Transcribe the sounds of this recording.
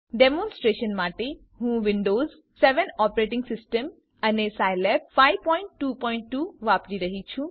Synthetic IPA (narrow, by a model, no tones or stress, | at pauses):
ɖemõːnsʈɾeːʃənmaːʈe | ɦũːʋɪɳɖoːz | sɛʋənɔːpɾeːʈ̬ɪ̃ŋɡsɪsʈəm | ɐnesaːjlɛp̚faːiʋpɔ̃ːɪɳʈːuːpɔːɪɳʈːuːʋaːpɾiɾɐɦit͡ʃʰũ